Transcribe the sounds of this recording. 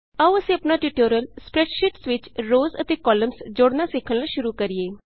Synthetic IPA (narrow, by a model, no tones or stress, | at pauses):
əʋəsẽɐpnaʈiʈoːɾjəlspɾɛʈʃiʈsʋɪt͡ʃɾoːzət̪ekɔːləmsd͡ʒoːɽnasekʰənlaʃʊɾukəɾijeː